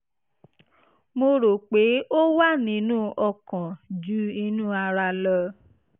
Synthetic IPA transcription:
mo˧ɾo˨k͡pe˨˦o˦wa˦nĩ˨˦nũ˦ʔɔ˦˨kã˨d͡ʒu˨˦i˧nũː˦a˧ɾa˧lɔ˧

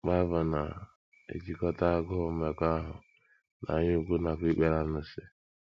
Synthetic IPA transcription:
k͡pa˦va˨na˨ | ḛ˨d͡ʒi˦kɔ˦ta˦ɡɔ˦o˦me˨ka˦ɦʊ˨ | na̰˨ɲu˦ɡʷu˦na˨ki˦k͡pe˦ɾa˦nʊ˨sɪ˦

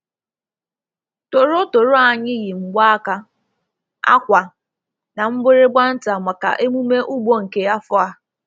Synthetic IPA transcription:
tʊ˨ɾʊ˦to˨ɾʊ˦a˨ɲɪ˦ɣɪ˨ŋ͡m̩˨ɡ͡ba˦a˦ka˦ | a̰˦kʷa˨ | na˨m̩˦bɪ˦ɾɪ˦ɡ͡bʷa˦n̩˦ta˨mʷa˨ka̰˨ʔe˦mu˦me˦ʔu˦ɡ͡bo˦ŋ̩˨ke˦a˦fʊ˦a˦˨

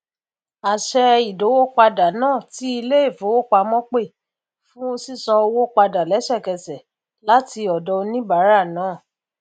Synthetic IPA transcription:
a˨ʃɛ˧i˨do˨˦wo˦k͡pa˧da˨nãː˦˨ti˨˦i˧le˦e˦˨fo˨˦wo˦˨k͡pa˧mɔ̃˦k͡pe˦˨ | fũ˦o˧si˦˨sɔ̃˧o˧wo˦k͡pa˧da˨lɛ˨˦ʃɛ˦˨kɛ˧sɛ˨ | la˨˦ti˧ɔ˨dɔ˨˧nĩ˦ba˨˦ɾa˦˨nãː˨˦˨

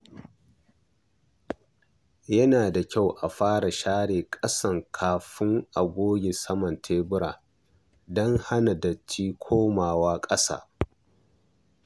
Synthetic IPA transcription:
jɐ˦naː˨da˨kʲa˦˨wʔa˨ɸaː˦ɽa˨ʃaː˦ɽeː˨kʼɐ˦sɐ˨ŋkʰaː˨ɸɪ˦ŋʔa˨ɡʷoː˦ɡʲɪ˨sɐ˦mɐ˨ntʰeː˦bʊ˦ɾa̰ː˨ | dɔ˦ŋha˦na˨dɐ˨t͡ʃːiː˦kʷʰoː˦maː˨waː˦kʼɐ˦sa̰ː˦˨

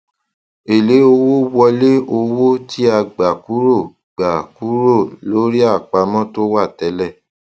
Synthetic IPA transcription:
e˨le˨˦o˧wo˦wɔ˧le˦o˧wo˦ti˦a˧ɡ͡ba˨ku˨˦ɾo˦˨ | ɡ͡ba˨ku˨˦ɾo˦˨lo˨˦ɾi˦a˦˨k͡pa˧mɔ̃˦to˦wa˦˨tɛ˨˦lɛ˦˨

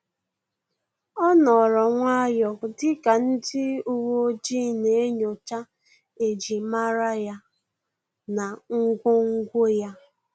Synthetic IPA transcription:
ɔ˦nɔ˨ɾɔ˨ŋʷa˦jɔ˨dɪ˦ka˨n̩˦dɪ˦u˦wo˦d͡ʒi˦ne˨e˦ɲo˨t͡ʃa˦ | e˨d͡ʒi˨ma˦ɾa˦ja˦ | na˨ŋ̩˦ɡʷo˦ŋ̩˦ɡʷo˦ja˦

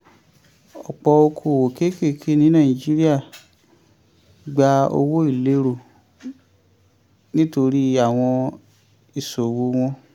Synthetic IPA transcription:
ɔ˨k͡pɔ˧o˧kʰo˨wo˨ke˦ke˦˨kʰe˦nĩ˨˦nãː˦˨i˨d͡ʒi˦ɾi˦a˦˨ | ɡ͡ba˧˦o̰˧wo˦i˦˨le˧˦ɾo˨ | nĩ˦to˧ɾi˦a˦˨w̃ɔ̃˧ | i˨so˨wo˨˦w̃ɔ̃˧

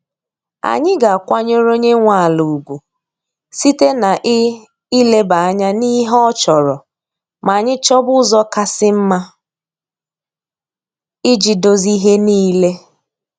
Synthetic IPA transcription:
a̰˨ɲɪ˦ɡa˨a˨kʷa˦ɲo˦ɾo˦ɲe˦ŋʷa˨a˨lu˨u˨ɡʷu˨ | si˦te˦na˨ʔɪ˦ | i˦le˦ba˨a˦ɲa˦ni˦ɦɔ˦t͡ʃɔ˨ɾɔ˨ | ma˨ɲɪ˦t͡ʃɔ˦bʊ˦zɔ˦ka˦sɪ˦m̩˦ma˦ | i˦d͡ʒi˨do˨zi˦ɦe˦niː˦le˦

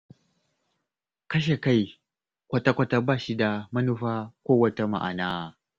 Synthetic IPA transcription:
kɐ˦ʃ̬e˨ka˦˨j | kʷɐ˦ta˦kʷɐ˦ta˦baː˦˨ʃi˦da˨mɐ˦nu˦ɸaː˦kʷoː˦wɐ˦ta˦ma̰˨ʔa̰˨naː˦

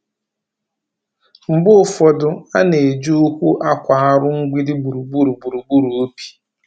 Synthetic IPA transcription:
m̩˨bʊ˦˨fɔ˨dʊ˨a˦ne˨d͡ʒu˦ʊ˦kʷu˦ʔa˦kʷa˨a˦ɾʊ˦ŋ̩˦ɡʷi˦dɪ˦bu˨ɾu˨bu˦ɾu˨bu˨ɾu˨bu˦ɾu˨o˦pi̥˨

